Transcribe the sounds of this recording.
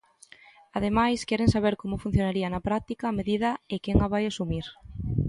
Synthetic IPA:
aðemajskɛɾeŋsaβ̞eɾkomʊfun̟θjonaɾiɐnɐpɾak̚t̪ikaːmeðiðɐekɛŋaβajasumiɾ

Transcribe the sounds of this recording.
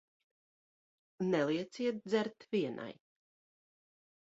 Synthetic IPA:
nɛlˠiɛt̪siɛt̪̚d̪zɛɾt̪viɛnʔa̰j

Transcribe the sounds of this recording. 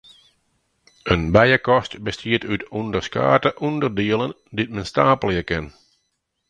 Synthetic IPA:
ənbɛjəkɔstbəstʰiətytɔndərska̰ːtəʔɔndərdɪələn | dit̚mənstaːpəljəkɪn

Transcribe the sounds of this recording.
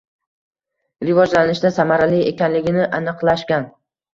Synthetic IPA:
ɾɪvɒd͡ʒlanɪʃd̪asamaɾalɪekʲanlɪɡʲɪnɪʔanɨqlˠaʃkʲan

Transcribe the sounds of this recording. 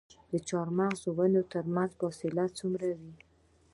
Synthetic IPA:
d̪ət͡ʃɑɾmaɣʒowənot̪əɾmanzfɑsɪlat͡sumɾawi

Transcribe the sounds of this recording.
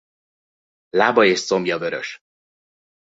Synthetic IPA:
laːbɒeːʃso̞mjɒvøɾø̰ʃ

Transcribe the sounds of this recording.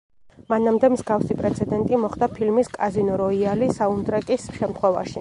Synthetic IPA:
manamd̪ɛmzɡafsipʼɾɛt̪sʰɛd̪ɛnt̪ʼimɔχd̪apʰilmiskʼazinɔɾɔialisaund̪ɾɛkʼisʃɛmt̪ʰχwɛva̰ʃi

